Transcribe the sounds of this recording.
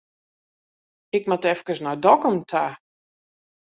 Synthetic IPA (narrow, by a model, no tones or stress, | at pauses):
ɪkmatɛfkəsnɔjdɔkəmtʰa